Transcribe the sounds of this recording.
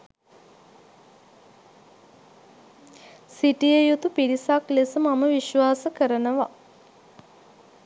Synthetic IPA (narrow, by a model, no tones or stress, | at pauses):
siʈijəjut̪upiɾisaklesəmaməʋiʃʋaːsəkəɾənəʋa